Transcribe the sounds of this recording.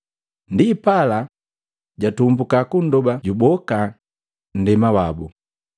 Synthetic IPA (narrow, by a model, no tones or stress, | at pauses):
ndipala | ɟatumbukakun̩dɔbaɟubɔka | n̩dɛmawabṵ